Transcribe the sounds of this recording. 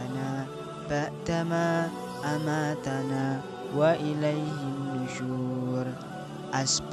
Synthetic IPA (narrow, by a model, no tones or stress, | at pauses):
na | batamaː | amaːt̪anaː | waʔɪlajɦɪnːʊʃuːɾ | ʔasb